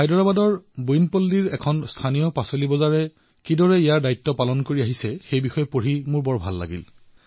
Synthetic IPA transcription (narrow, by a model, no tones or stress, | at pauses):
ajdɔɹabadɔɹbujnpolːiɹɛkʰɔnstʰanijɔpasolibɔzaɹɛ | kidɔɹɛijaɹdaitːɔpalɔnkoɹiaɦisɛxejbixɔjɔpoɹimʊɹbɔɹbʱa̰lːa̰ɡḭl